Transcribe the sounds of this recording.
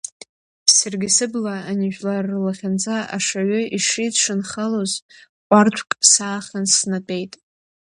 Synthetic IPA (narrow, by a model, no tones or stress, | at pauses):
sarɡʲɪsɨblaːniʒᶣlarːɨlaχʲand͡zaa̰ʂaɥʏʔiʂidʂɨnχaloz | qʷʼart͡ʃʷʰkʼsaːχʲansnapʼe̞jtʼ